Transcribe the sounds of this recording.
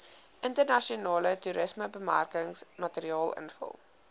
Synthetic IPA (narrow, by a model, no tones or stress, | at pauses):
ʔəntərnɐʃiənɑːlətuɾəsməbəmæ̰rkəŋsmɐtəɾiɑːlˠə̰nfə̰lˠ